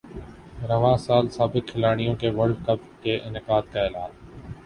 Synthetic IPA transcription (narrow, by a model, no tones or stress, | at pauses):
ɾəʋãːsaːlsaːbɪkʰːɪlaːɽ̃ɪjõːkeːʋəɾɖkəp | keːʔɪnɪkaːd̪kaːɪːlaːn